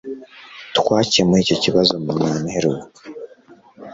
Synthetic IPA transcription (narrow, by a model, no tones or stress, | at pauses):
tkwaːciemuɾiːco̞ciβazo̞muaːneɾuwu